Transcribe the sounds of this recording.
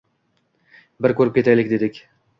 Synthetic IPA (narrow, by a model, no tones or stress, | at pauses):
bɪɾkʰɵɾɪp̚kʲe̞t̪ʰajlɪkʲd̪e̞d̪ɪkʲ